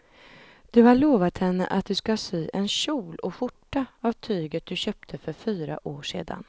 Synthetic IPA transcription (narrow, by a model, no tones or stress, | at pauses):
d̪̥ɵhaɭoːvat̪hɛnːə̰ʔat̪̚d̪ɵskasyːʔɛnɕuːlɔɧʊʈːaavt̪ʰyːɡət̪̚d̪ɵɕœːp̚t̪ʰəfœɾfyːɾa̰ʔoːʂḛːd̪a̰n